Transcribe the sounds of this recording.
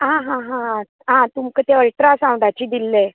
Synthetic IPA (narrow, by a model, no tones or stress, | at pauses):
ɦãɦãɦã | ɦãt̪umkət̪eəɭʈɾasãwɖat͡ɕiːd̪ilːe